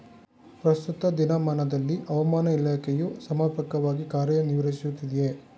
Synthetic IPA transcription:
pɾɐst̪ut̪ɐd̪inɐmaːnɐd̪ɐlːiʔɐʋɐmaːnɐilaːkʰɛjusɐmaːpɐkɐʋaːɡikaːɾjɐniʋɐɾɐsijut̪ːid̪je

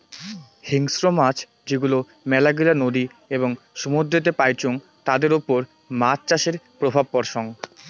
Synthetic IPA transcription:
hiŋsɾomat͡ɕʰ | d͡ʑeɡulo | mɛlaɡilanod̪i | eboŋ | ʃumud̪ːet̪epajt͡ɕoŋ | t̪ad̪eɾopoɾ | mat͡ɕt͡ɕaʃeɾpɾobʱab̚pɔɾʃɔŋ

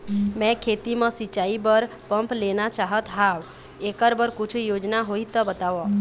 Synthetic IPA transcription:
mɛ̃kʰet̪imẽsit͡ʃaibəɾ | pəmplenat͡ʃaɦət̪ɦaw | ekəɾbəɾkʊt͡ʃʰjod͡ʒnaɦoit̪ɔbət̪aʋɔ

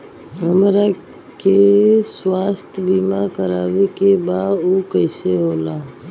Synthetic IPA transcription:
əmɾa | keswaːst̪ʰbiːmakəɾaːʋekebaːuːkəɪseɦoːlaː

